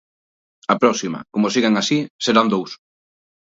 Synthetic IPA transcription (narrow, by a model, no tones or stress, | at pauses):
apɾɔsimɐ̰komosiɣeŋasiseɾand̪ows